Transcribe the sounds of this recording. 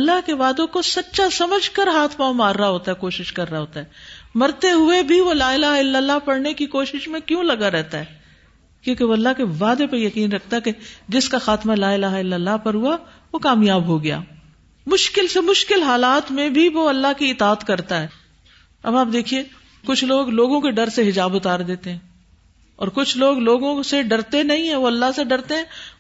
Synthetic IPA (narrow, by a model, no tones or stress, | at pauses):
ɐlːaɦkeʋaːd̪õkosɐtːʃasɐməd͡ʒʱkəɾɦaːt̪ʰmamaːɾːaɦoːt̪aɦɛkoːʃɪʃkɐɾːaɦoːt̪aɦɛːmɐɾt̪eɦʊebʱiʋolaːɪlaːɦɪlːəlːapɐɽnekikoːʃɪʃmẽkjõlɐɡaɾɛɦt̪aɦɛː | kjõːkeʋoɐlːaɦkeʋaːd̪epɐɾjɐkiːnɾɐk̚ʰt̪aɦɛked͡ʒɪskaxaːt̪malaːɪlaːɦɪlːəlːapɐɾɦʊa | ʋokaːmjaːbɦoɡɐja̰ː | mʊʃkɪlsemʊʃkɪlɦaːlaːt̪mẽbʱiʋoɐlːaɦkiɪt̪aːət̪kɐɾt̪aɦɛː | ɐbaːp̚d̪eːkʰie | kʊt͡ʃʰloːɡloːɡõkeɖɐɾseɦɪd͡ʒaːbʊt̪aːɾd̪eːt̪eɦɛ̃ː | ɔːɾkʊt͡ʃʰloːɡloːɡõseɖɐɾt̪enɐɦĩɦɛ̃ʋoɐlːaɦseɖɐɾt̪eɦɛ̃ː